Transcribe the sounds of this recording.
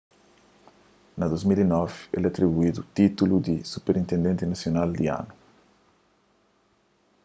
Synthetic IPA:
nɐd̪ozmilinɔvḛlɐt̪ɾiβuid̪ut̪it̪ulud̪isupeɾĩnt̪ẽnd̪ẽnt̪inɐsjonald̪iã̰nu

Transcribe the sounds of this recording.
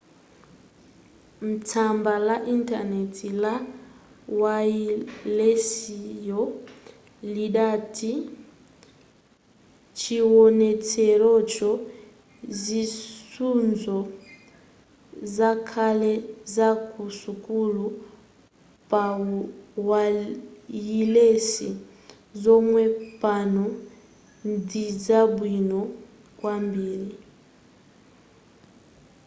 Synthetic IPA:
m̩tʰambalaʔintanɛtʰila | wailesijɔ | liɗatʰi | t͡ʃʰiwɔnɛt͡sʰɛɺɔt͡ʃɔ | zisund͡zɔ | zakʰalɛzakʰʼusukʼulu | pa | wa | jilesi | zɔmwɛpʼanɔ | ndid͡zabwinɔ | kwambiːɾi

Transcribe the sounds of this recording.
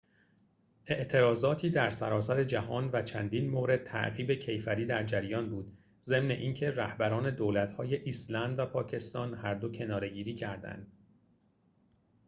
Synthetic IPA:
ʔe̞ʔt̪ʰe̞ɾɒːzɒːt̪ʰiːd̪æɾsæɾɒːsæɾe̞d͡ʒæɦɒːnvæt͡ʃʰænd̪iːnmoːɾe̞d̪̚t̪ʰæ̰ʔɢiːbe̞cʰe̞jfæɾiːd̪æɾd͡ʒæɾjɒːnbuːd̪ | ze̞mne̞̰ʔiːncʰe̞ræhbæɾɒːne̞d̪oːlæt̪hɒːje̞ʔislænd̪væpʰɒːcʰe̞st̪ɒːnhæɾd̪o̞cʰe̞nɒːɾe̞ɟiːɾiːcʰæɾd̪æ̰nd̪̥̚

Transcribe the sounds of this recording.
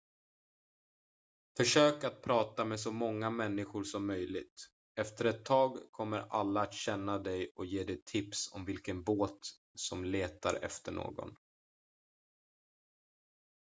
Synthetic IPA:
fœʂøːkat̪̚pʰɾɑːt̪amɛs̬ɔmɔŋːamɛnːɪɧʊɾʂɔmːœjlɪɡ̚t̪ | ɛft̪əɾɛt̪ʰːɑːɡkʰɔmːəɾʔalːaːt̪ɕɛnːad̪ɛjɔjeːd̪ɛjt̪ʰɪpsɔ̰mvɪlkənboːt̪ | sɔmleːt̪a̰ɾɛ̰ft̪əɳo̰ːɡɔ̰n

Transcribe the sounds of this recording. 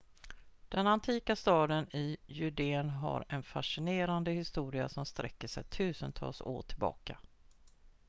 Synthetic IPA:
d̪̥ɛnant̪ʰiːkast̪ɑːd̪ənɪjʏɖeːnɦa̰ɾɛnfaʂɪneːɾand̪əhɪst̪uːɾɪa̰sɔmst̪ɾʔɛkːəʂɛ̰jt̪ʰʉ̟ːsənt̪ʰɑ̰ːlso̰ːʈʰɪlbɑ̰ːka

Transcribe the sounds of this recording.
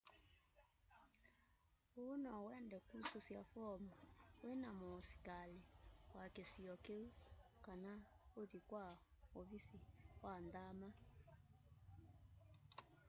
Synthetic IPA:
onɔwɛndɛkusosjafɔmawenamosi̥kalewakesiɔkeukana | oðikwa | oβisiwandama

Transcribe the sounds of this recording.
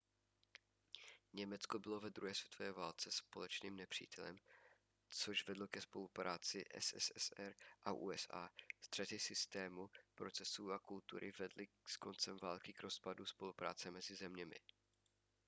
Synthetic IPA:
ɲɛmɛt͡skobɪlovɛd̪ɾuɦɛːsvjɛ̥t̪ovɛːvaːlt͡sɛspo̞lɛt͡ʃniːmnɛpr̝̥ḭːt̪ɛlɛ̰m | t͡soʒvɛdlokɛspo̞lupɾʔaːt͡sɪʔɛ̰sɛ̰sɛsɛɾʔaʔṵːɛsa̰ːst̪r̥ɛt̪ɪsɪst̪ɛːmupɾo̞t͡sɛsuːakult̪ṵɾʔɪvɛdlɪ | sko̞nt͡sɛmvaːlkɪkɾo̞spaduspo̞lupɾa̰ːt͡sɛmɛzɪzɛmɲɛmɪ̰

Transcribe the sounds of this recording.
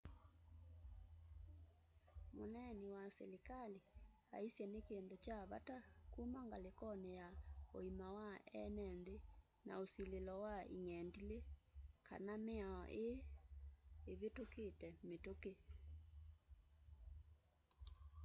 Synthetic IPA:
monɛniwasḛlekali | a̰isjɛnekendot͡ʃaβa̰takumaŋɡalekɔnejao̰imawaɛ̰nɛnde | na̰osilelɔwaḭŋɛndilekʰa̰nameaɔ̰ʔe | βetoketɛmetoke

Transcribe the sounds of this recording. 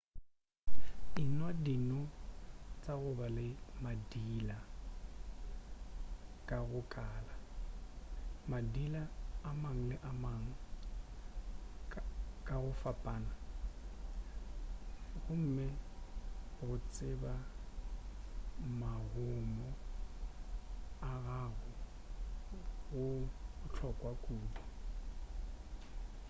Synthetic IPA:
ɪnwadinɔ | t͡sʼaɣʊbalɪmadila | kʼaɣʊkʼaːla | madilaːmaŋ̩lɪʔamaŋ̩ | kʼaɣʊfapʼaːna | ɣʊm̩mɪ | ɣʊt͡sʼɪba | maɣʊmɔ | aɣaɣʊ | ɣʊʊt͡ɬʰɔkʼwakʼuːbɔ

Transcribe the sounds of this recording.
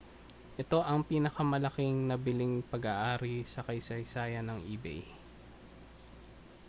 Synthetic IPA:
ʔɛt̪o̞ʔɐŋpiːnɐkɐmɐlɐkɪŋnɐbɪlɪŋpɐɡaʔaːɾisɐkɐjsɐjsaːjɐnɐŋʔiːbɛ̰j

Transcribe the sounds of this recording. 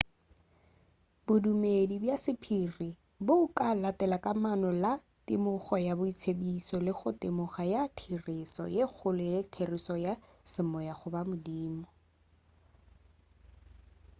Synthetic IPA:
bʊdumedibjasɪpʰiri | bʊkalatɛlakamanɔla | tɪmʊχɔjabʊit͡sʰebisɔlɪχʊtɪmʊχajatʰirɪsɔ̰jek͡xʰʊlʊɪtʰerisɔjasɪmɔjaχʊbamʊdiːmɔ

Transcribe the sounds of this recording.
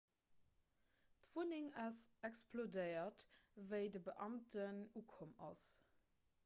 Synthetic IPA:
tv̥uniŋɑsɛkspʰlodəɪɐtvəɪdəbəʔɑmtənuːkʰomɑs

